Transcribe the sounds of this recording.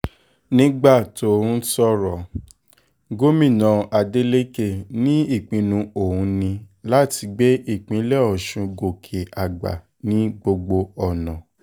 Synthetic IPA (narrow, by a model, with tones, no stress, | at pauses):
nĩ˦ɡ͡ba˦˨to˨˦ũ˦sɔ˦ɾɔ˨ | ɡo˦mĩ˦˨nã˨a˨de˦le˦ke˦˨nĩ˦i˦˨k͡pĩ˨˧nũ˧o˨hũ˨˧˦nĩ˧la˦˨ti˧ɡ͡be˦ʔi˦˨k͡pĩ˨˧˦lɛ˦˨ɔ˨ʃũ˧ɡo˨kʰe˨a˨ɡ͡ba̰˨ | nĩ˨˦ɡ͡bo˧ɡ͡bo˧ɔ˨nã˨